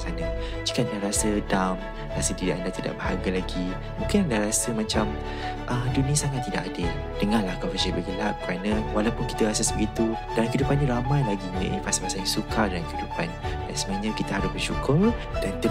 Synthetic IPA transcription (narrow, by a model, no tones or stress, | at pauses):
sana | d͡ʒikandaɾasədam | rasədidaʔandat̪ida̰ʔbəhaɡalaɡi | mũŋkɪnandahɾasəmãt͡ʃam | ʔədunĩasaŋat̪ːidaʔadə | d̥əŋalahkɔfəʃibəɡəlaʔ̚kəɾanəwalawpʊnki̥t̪aɾas̬asbəɡit̪u | dalakəidupanɲə̃ɾamãjlaɡiɲə̰̃ʔifasapasaɲə̃sukʰadalaŋkəhidupandansəmaaɲãkit̪aɦaɾʊsbərʃukʊrd̥and